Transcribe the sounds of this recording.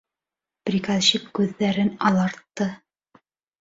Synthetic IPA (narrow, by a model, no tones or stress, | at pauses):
pɾʲikazɕipkʉðːæɾɘnɑlˠɑɾt̪ːɤ